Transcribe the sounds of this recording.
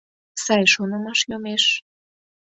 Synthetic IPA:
sɑjʃonɤ̆mɑʃjomeʃ

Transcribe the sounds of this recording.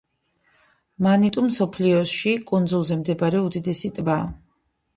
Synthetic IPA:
manit̪ʼumːsɔpʰliɔʃikʼund̪zulˠzɛmd̪ɛbaɾɛud̪id̪ɛsit̪ʼbaː

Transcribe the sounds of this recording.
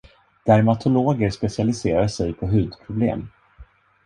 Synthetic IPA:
d̪̥æɾmat̪ʰʊloːɡəɾspɛsɪalɪseːɾaʂɛjpʰɔɦʉ̟ːd̪pʰɾʊblḛːm

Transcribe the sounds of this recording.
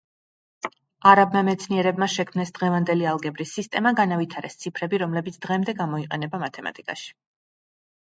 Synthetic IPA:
aɾab̚mamɛt̪sʰniɛɾɛbmaʃɛkʰmnɛsd̪ʁɛvand̪ɛlialˠɡɛbɾisːist̪ʼɛmaɡanavit̪ʰaɾɛst̪sʰipʰɾɛbiɾɔmlɛbit̪sʰd̪̥ʁɛmd̪ɛɡamɔiqʼɛnɛbamat̪ʰɛma̰t̪ʼikʼa̰ʃi̥

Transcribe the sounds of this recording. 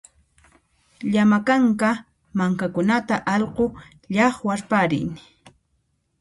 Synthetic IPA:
ʎamakaŋka | maŋkakʊnat̪aʔɑʎqo | ʎɑχwaɾpaɾɪ̰n

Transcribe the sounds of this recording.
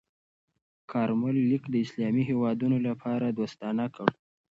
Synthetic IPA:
kʰɑɾmʊlːikd̪əɪslɑmiɦewɑd̪unolapʰɑɾad̪ost̪ɑnakəɽ

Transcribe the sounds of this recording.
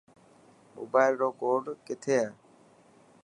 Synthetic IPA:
mo̰ːbaːɪlɖoːkoːɾɖkɪt̪ʰeːɛː

